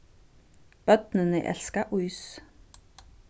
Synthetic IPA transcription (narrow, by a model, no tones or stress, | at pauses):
pœt̪nənə̰ʔɛ̰ɬskaʔʊjs